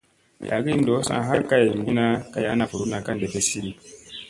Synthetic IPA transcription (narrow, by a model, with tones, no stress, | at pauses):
jʔa̰˨ɡi˦ndo˨˦sã̰˦˨ɦa˦ka˦je˨ɡi˦na˦ka˦˨ja̰˦na˨fu˨ɾu˦na˨ka˦n˨de˨fe˦si˦ɾi˦